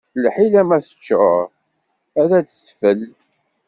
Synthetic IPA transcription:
lħilæmæθə̥t͡ʃːə̰ | æðæd̪θfəl

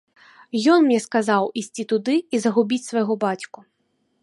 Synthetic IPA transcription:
jɔnmnʲɛskazawisʲt͡sʲit̪ud̪ɨizɐɣubʲit͡sʲsvɐjɣɔbat͡sʲku

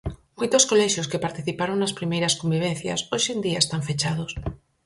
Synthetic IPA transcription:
mujt̪oskoleʃjoskepaɾt̪iθipaɾoŋnaspɾimejɾaskombiβ̞en̟θja̰soʃend̪iaest̪aɱfet͡ʃaðos

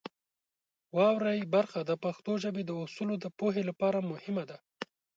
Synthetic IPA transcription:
wɑwɾajbaɾxad̪apaxt̪oʒəbed̪əʊsulod̪əpoɦelapɑɾamʊhɪmad̪a

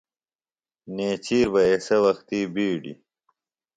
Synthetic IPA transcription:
neːt͡ɕiːɾbɐesɐwɐxt̪iːbiːɖḭ

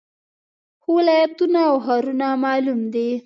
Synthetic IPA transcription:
xwɪlɑjat̪unaːwɦaɾunamɑlumd̪e

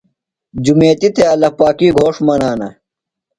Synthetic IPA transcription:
d͡ʑumeːt̪it̪ʰeɐlɐpaːkiːɡʱoːʂmɐnaːnɐ

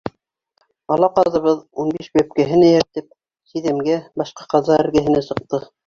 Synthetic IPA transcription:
ɑlˠɑqɑðɤ̆βɤðunbiʃbæp̚kæɦɘ̆næjɘ̆ɾt̪ɘp̚ | siðɘ̆mɡæbɑʃqɑqɑzɑæ̆ɾɡæɦɘ̆næsɤ̆q̚t̪ɤ

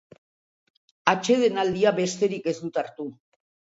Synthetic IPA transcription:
at͡ʃe̞ð̞e̞nald̪iaβe̞st̪e̞ɾike̞zd̪ut̪aɾt̪u

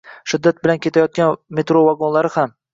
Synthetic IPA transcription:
ʃʊd̪ːat̪̚bɪlankʲʰe̞t̪ʰajɒt̪̚ɡʲanme̞t̪ɾovaɡonlaɾɪham

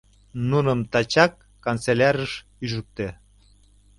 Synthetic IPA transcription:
nunəmt̪ɑt͡ɕɑkːont͡selʲɑɾəʃ | yʒuk̚t̪e

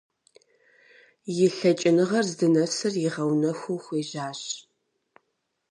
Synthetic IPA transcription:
jɪɬɐt͡ʃʼɪnɨʁɐrzdɨnɐsɨrjɪʁɐwnɐxʷʊwxʷeːʑaːɕ

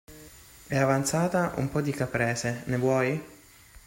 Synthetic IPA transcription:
ɛavant̪saːt̪aʔṵmpɔd̪ikapɾɛːsenevwɔj

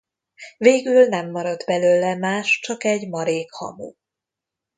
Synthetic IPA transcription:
veːɡylnɛmːɒɾɒd̪bɛløːlɛmaːʃt͡ʃɒkɛɟmɒɾeːkhɒ̰mṵː

